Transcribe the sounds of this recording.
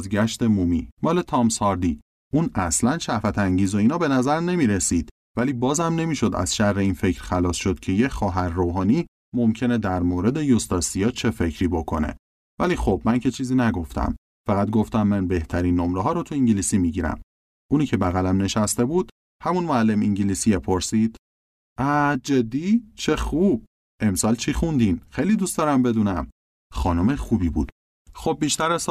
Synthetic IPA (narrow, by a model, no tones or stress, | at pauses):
zɡæʃt̪e̞mumḭːmɒːle̞t̪ʰɒmsɒɾd̪i | ʔunæslænʃævæt̪ʰæŋɟiːzo̞iːnɒːbe̞næzæɾne̞miːɾe̞siːd̪̥ | væliːbɒːzæmne̞miːʃo̞d̪æ̰z̥ʃærːe̞infe̞cɾ̥xælɒːsʃo̞d̪̥cʰe̞jecxɒːɦæɾːoːɦɒːniː | mo̞mcʰe̞ned̪æɾmoːɾe̞d̪e̞jost̪ɒsijɒːt͡ʃʰe̞fe̞cʰɾiːbo̞kʰo̞ne̞̰ | væliːxobmæncʰe̞t͡ʃʰiːziːnæɡo̞ft̪ʰæ̰m | fæɣæt̪ɡo̞ft̪æmːænbe̞ht̪ʰæɾiːnːomɾeɦɒːɾot̪ʰuiŋɟiliːsiːmiɟiɾæ̰m | ʔuːniːcʰe̞bæɣælæmne̞ʃæst̪e̞buːd̪̥ | hæmunmoælːe̞miɲɟiliːsiepʰo̞ɾsiːd̪̥ | ʔæd͡ʒed̪ːiːt͡ʃʰe̞xub̥̚ | e̞msɒːlt͡ʃʰixund̪imxejliːd̪ustd̪ɒːɾæmbe̞d̪uːnæm | xɒːnomexubiːbṵːd̪̥ | xob̚ːiʃt̪æɾes